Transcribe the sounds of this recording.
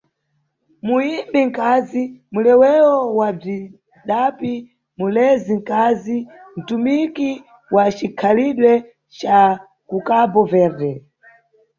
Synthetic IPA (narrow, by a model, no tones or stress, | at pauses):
muimbiŋ̩kazimulɛwɛwɔwab͡ʐi | ɗapi | mulɛziŋkazin̩tumiki | wat͡ʃikʰaliɗwɛ | t͡ʃa | kukabɔvɛːɾdɛ